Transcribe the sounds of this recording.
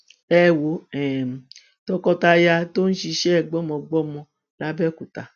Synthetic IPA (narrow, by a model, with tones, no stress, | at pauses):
ɛ˦˨wo˨˦ɛ˨m̩˨ | tɔ˧kɔ˧ta˧ja˧to˦n̩˦ʃi˧ʃɛ˦ɛ˨ɡ͡bɔ˦mɔ̃˧ɡ͡bɔ˦mɔ̃˧ | la˦bɛ˦ku˨ta˨